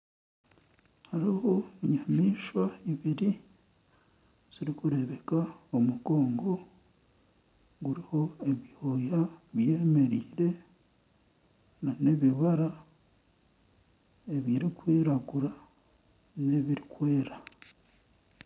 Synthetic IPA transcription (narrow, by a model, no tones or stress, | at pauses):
haɾiho̞iɲamiːʃwaiβiɾi | z̥iɾikuɾe̞βe̞kaomuɡo̞ːŋɡo̞ | ɡuɾiho̞e̞βihojaβje̞ːme̞ɾiːɾe̞ | nane̞βiβaɾa | e̞βiɾikwiːɾaɡuɾa | ne̞βiɾikwe̞ːɾa